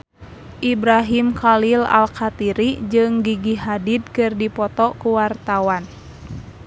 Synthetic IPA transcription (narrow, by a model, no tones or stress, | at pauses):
ʔibɾaɦimkalila̰lkat̪iɾid͡ʒɨŋɡiɡiɦadid̪̚kɨrdipɔt̪ɔkuwart̪awan